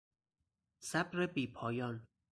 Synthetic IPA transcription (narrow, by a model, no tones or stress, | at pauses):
sæbɾebiːpʰɒːjɒːn